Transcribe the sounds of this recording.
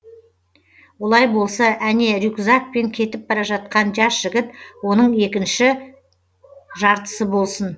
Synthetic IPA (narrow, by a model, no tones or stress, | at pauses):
wo̞lˠɑjbo̞lˠsɑʔæne̞ɾʲukzak̚pe̞ŋkʲʰe̞t̪ɪp̚bɑɾɑʒɑt̪̚qɑnʒɑsʒ̥ɪɡʲɪt̪wo̞nəɴe̞kʲɪnʃɪ | ʒɑɾt̪ə̥səbo̞lˠsən